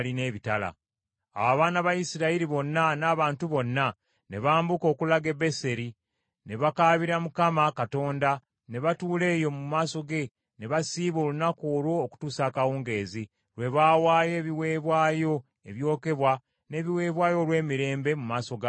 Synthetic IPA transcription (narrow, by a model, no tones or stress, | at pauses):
line̞ːβitala̰ | a̰waβaːnaβajisiɾaiɾiβo̞nːanaːβaːntuβo̞nːa | ne̞βaːmbuko̞ːkulaɡe̞be̞se̞ɾi | ne̞βakaːβiɾamukamakato̞ːnda | ne̞βatuːle̞ːjo̞mumaːso̞ɡe̞ | ne̞βasiːβo̞ːlunakoːlwo̞ːku̥tuːsaːkawuːŋɡe̞ːzi | ɾwe̞βaːwaːje̞ːβiwe̞ːβwaːjo̞ | ḛβjo̞ːke̞βwa | ne̞ːβiwe̞ːβwaːjo̞lwe̞ːmiɾe̞ːmbe̞mumaːso̞ɡa